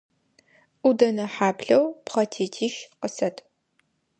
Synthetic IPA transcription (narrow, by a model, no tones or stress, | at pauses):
ʔudɐnɐħaːpɬɐwpχɐtʰeːtʰiːʃqəsɐtʰ